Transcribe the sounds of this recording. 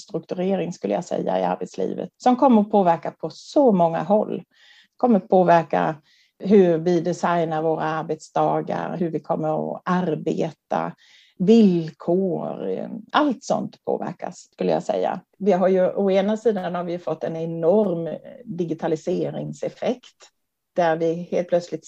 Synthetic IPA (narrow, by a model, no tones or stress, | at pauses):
st̪ɾɵk̚t̪ɵɾeːɾɪŋskɵlːəjɑsɛ̰jːa̰ɪa̰ɾbɛt̪slḭːvə̰t̪sɔmkʰɔmːəɾɔpʰoːvæɾkapʰɔsɔmɔŋːa̰ɦɔlː | kʰɔmːəɾɔpʰoːvæɾka | ɦɵɾvɪd̪ɛsajnaɾvoːɾaaɾbɛt̪sd̪ɑːɡaɾɦɵɾvɪkʰɔmːəɾɔ̰aɾbeːt̪a | vɪlkʰoːɾalt̪sɔ̰nt̪pʰo̰ːvæ̰ɾka̰skɵlːəja̰sɛ̰jːa̰ | vɪɦaɾjɵʔɔeːnasiːd̪aanhaɾvɪjɵfɔt̪ːɛnɛnɔɾmd̪ɪɡɪt̪ʰalɪseːɾɪ̰ŋsɛfɛkt̪ | d̪̥æɾvɪheːlt̪̚plœt̪slɪt̪